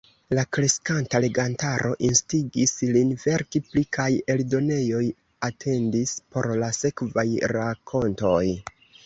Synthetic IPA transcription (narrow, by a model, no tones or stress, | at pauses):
lakɾe̞skantale̞ɡantaɾo̞̰ʔinstiɡislinve̞ɾkiplikʰaje̞ldo̞ne̞jo̞j | atʰe̞ndispo̞ɾlase̞kvajɾakʰo̞nto̞j